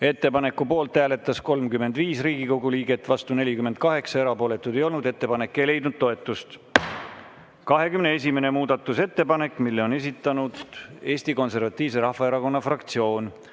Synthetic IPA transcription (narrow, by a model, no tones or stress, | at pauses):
e̞t̪ːe̞pɑne̞kːˑupo̞ːlt̪ːæːle̞t̪ːˑɑsko̞lmkymːend̪viːsriːɡiko̞ɡuliːɡe̞t̪ːˑvɑst̪une̞lʲikyme̞nd̪̚kɑɦe̞ksɑe̞ɾɑpo̞ːle̞t̪ːˑud̪e̞jo̞lnud̪e̞t̪ːe̞pɑne̞kːe̞jle̞jd̪nud̪̚t̪o̞e̞t̪ːˑust̪ | kɑɦe̞kymnee̞s̬ʲime̞ne̞muːd̪̥ɑt̪ːˑuse̞t̪ːe̞pɑne̞kːˑmilːeo̞ne̞s̬it̪ːˑɑnud̪e̞ːsʲt̪iko̞nse̞rvɑt̪ːˑiːvse̞ɾɑhːɑe̞ɾɑko̞nːɑfrɑkt̪sio̞ːn